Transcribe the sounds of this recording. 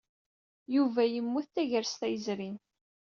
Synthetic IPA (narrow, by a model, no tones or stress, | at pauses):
juvæjəmːuθθæʝəɾst̪æjəzɾin